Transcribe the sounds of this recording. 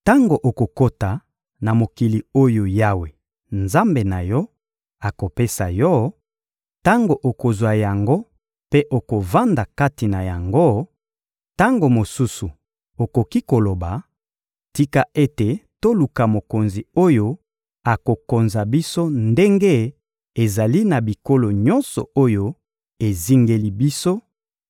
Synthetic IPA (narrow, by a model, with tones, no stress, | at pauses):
ta˦ŋɡo˨ʔo˨ko˨ko˦ta˨ | na˨mo˨ki˨li˨o˦jo˨ja˦we˨ | nza˦mbe˨na˨jɔ˦ | a˨ko˨pe˦sa˨jɔ˦ | ta˦ŋɡo˨ʔo˨ko˨zwa˨ja˨ŋɡo˦ | pe˦ʔo˨ko˨va˦nda˨ka˦ti˨na˨ja˨ŋɡo˦ | ta˦ŋɡo˨mo˨su˦su˨ | o˨ko˨ki˦ko˨lo˨ba˨ | ti˦ka˦ʔe˦te˨to˦lu˨ka˨mo˨ko˨nzi˨o˦jo˦ | a˨ko˨ko˨nza˨bi˦so˦nde˦ŋɡe˦ | e˨za˨li˦na˨bi˨ko˦lo˨ɲɔ˦nsɔ˨o˦jo˦ | e˨zi˦ŋɡe˦li˦bi˦so˦